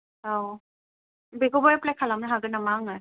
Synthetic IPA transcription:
a | beɡɔbɔjaplajkʰalamnaɦaɡɯnamaŋa

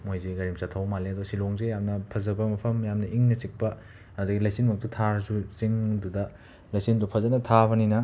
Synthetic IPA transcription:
mojzeɡɐɾimsatʰːɐwmaleɐdɔsiloŋzejamnɐpʰɐzɐbɐmɐpʰɐmjamnɐʔiŋnɐt͡ʃik̚pɐː | duɡilɐjsinmɐk̚tutʰaɾzut͡ʃiŋdudɐ | lajsindupʰɐzɐnɐtʰabɐninɐ

